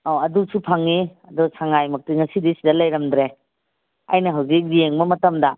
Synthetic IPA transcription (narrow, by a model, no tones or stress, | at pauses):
ɔɐdusupʰaŋːiɐdɔsaŋajmɐk̚tiŋɐsidisidɐlɐjɾɐmdɾe | ɐ̰jnɐɦɐwzik̬̚ɾijeŋmɐmɐtɐmdɐ